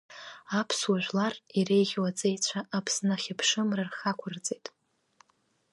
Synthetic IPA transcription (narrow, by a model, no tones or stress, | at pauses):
apʰswaʒʷᶣlarire̞jʁʲwat͡sʼejt͡ɕʷʰaʔapʰsnaχʲɪpʰʂɨmrarχakʷʰʊrt͡sʼejtʼ